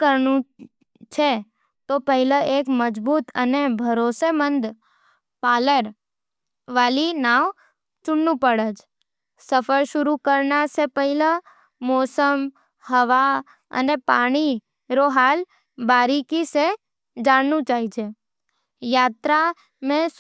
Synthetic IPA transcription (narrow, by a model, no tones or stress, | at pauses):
kəɾnũ | t͡ʃʰe | t̪opəɦɪləeːkməd͡ʒbuːt̪ə̰nebʱəɾoːsemə̃nd̪ | paːləɾ | ʋaːlinaːʋ | t͡ʃʊɳnũpəɽəd͡ʒ | səpʰəɾʃʊɾukəɾnasepəɦɪlə | mɔːsəm | həʋa | ə̰nepaːɽ̃i | ɾoɦaːl | baːɾikise | d͡ʒaːɽnũt͡ʃaːɦit͡ʃʰe | jaːt̪ɾa | mẽ